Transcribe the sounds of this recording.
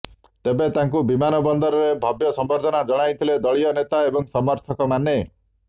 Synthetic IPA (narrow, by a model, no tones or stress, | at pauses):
t̪ebet̪aŋkubimanɔbɔnd̪ɔɾɔɾebʱɔbjɔsɔmbɔɾd̪ʱɔnad͡ʒɔɽ̃ajt̪ʰiled̪ɔɭiɔnet̪aebɔŋsɔmɔɾt̪ʰɔkɔmane